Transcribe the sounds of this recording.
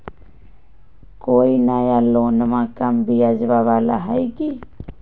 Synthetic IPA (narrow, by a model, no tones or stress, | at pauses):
koinajalonamakambiaziβaβala̰ɦajki